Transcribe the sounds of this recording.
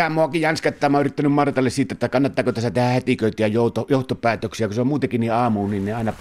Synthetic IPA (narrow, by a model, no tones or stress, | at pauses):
æmːˑoɑkijjɑnskɑtt̪ːˑɑːˑmːˑɑoʔyrit̪ːænymmɑrt̪ɑlːessiːt̪æt̪ːækɑnːɑt̪ːɑːkot̪æsæt̪ehæhet̪ikøˑit̪æjɑjoˑut̪ojoˑuht̪opˑæːt̪øksiækuseomuːt̪ekinniʔɑːmunninneɑˑenɑ